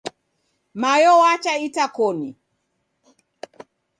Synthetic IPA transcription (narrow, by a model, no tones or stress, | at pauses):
majɔwat͡ʃaitakɔni